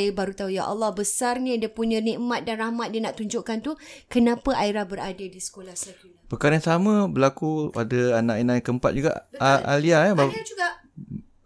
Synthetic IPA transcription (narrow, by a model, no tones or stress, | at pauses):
baɾut̪aɦujaʔɑ̰lːɑhbəsarɲədiəpuɲə̃niʔmat̪̚danrahmat̪̚diənaʔt̪uɲd͡ʒoʔkant̪ukənãpəʔaiɾahbəɾadadisə̥kolahsat̪u | pəkaɾəansamə̃bəlakuadəanãʔinãjŋkəmpa̰t̪̚d͡ʒuɡa̰ʔa̰liaaba